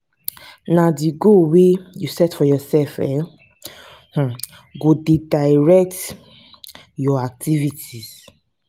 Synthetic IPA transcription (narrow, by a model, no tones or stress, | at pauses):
nadiɡowejusɛtfɔjɔsɛlfɛ | h̩ | ɡodedaɪɹɛk̚t | jɔak̚tʰivitʰiz̥